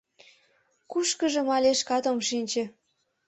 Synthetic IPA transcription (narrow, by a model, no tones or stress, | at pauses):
kuʃkə̆ʒə̆mɑlʲeʃkɑt̪omʃinʲt͡ɕĕ